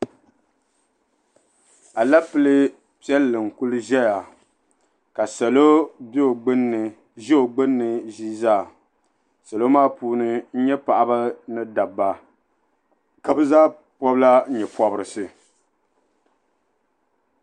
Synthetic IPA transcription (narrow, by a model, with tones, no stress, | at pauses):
a˨la˦pɨ˦lɨ˦ | pi˦ɛ˦lːɨ˨ŋ˨ku˦lɨ˦ʒɛ˦ja˨ | ka˨sɛ˨lo˦bo˨ɡ͡bɨ˦n˨ | ʒi˦o˨ɡ͡bɨ˦nːɨ˨ʒi˦zaː˦˨ | sa˨lo˦maː˦puː˦nɨ˦n̩˦ɲɛ˦pa˨ʔa˨ba˦nɨ˦da˨bːa˨ | ka˨bɨ˦zaː˦ | pɔ˦bla˦ɲɛ˨pɔ˦bɨ˨˦ɾɨ˨sɨ˨